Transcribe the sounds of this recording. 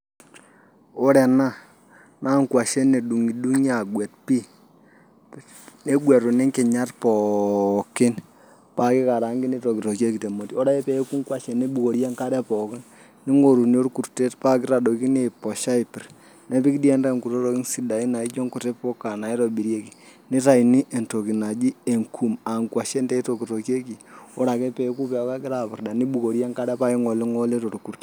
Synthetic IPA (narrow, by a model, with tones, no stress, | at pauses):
o˦ɾɛ˨na˦˨ | na˦ŋkwa˨ʃe˦ne˨ɗu˨ŋi˨du˦ŋa˨ɡwɛ˨t̚pi˦ | ne˦ɡwɛ˨ɾu˨ne˦ŋke˨ɲa˦tpɔ˨kɪ˦n | pa˦ki˦ka˨ɾa˨˦ŋɡi˦ni˦ɾɔ˨ki˨ɾo˨kje˦ki˨te˨mo˨ti˦o˦ɾa˦ɛ˦pɛ˨˦ku˦ŋkwa˦ʃe˨ne˦bu˨ko˨ɾja˦ŋka˦ɾɛ˦pɔ˨kɪ˦n | ni˦ŋo˨ɾu˨n˦o˦ɾku˨ɾte˦tpa˦kɪ˦ɾa˨ɗo˨ki˦ne˨pɔ˨ʃa˦i˨pi˨r | ne˦pi˦kdi˦ɛ˦nda˦˨ŋku˨ɾo˦ɾo˦ki˦ŋsi˨da˨i˦na˨i˦t͡ʃo˦ŋku˨te˦po˦kːa˨na˨i˦ɾo˨bi˨ɾje˦ki˨ni˦ta˨i˨ni˦ʔe˨nto˨ki˨na˨d͡ʒi˦e˨ŋkʰu˨ma˨ŋkwa˨ʃe˦ndɛ˦i˦to˨ki˨to˨ke˦ki˨o˦ɾa˨ke˦pe˨˦ku˦pɛ˨o˦ka˦ki˦ɾa˨pɪ˨ɾda˨ni˦ɓu˨ko˨ɾja˦ŋka˦ɾɛ˦pa˦ki˦ŋo˨li˦ŋo˦le˦to˨ɾku˨rt